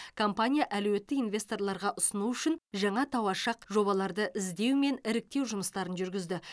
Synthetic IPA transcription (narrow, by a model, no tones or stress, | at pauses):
kʰo̞mpanʲijaʔæluwe̞t̪ːɪkinvʲe̞st̪o̞rlˠɑɾʁɑʔʊsənuʏʃɪnʒɑɴɑt̪ʰɑwɑʃɑqʒo̞βɑlˠɑɾd̪əʔɪzd̪e̞wme̞nɪɾɪk̚t̪e̞wʒʊməst̪ɑɾənʒʏɾɡʲɪzd̪ɪ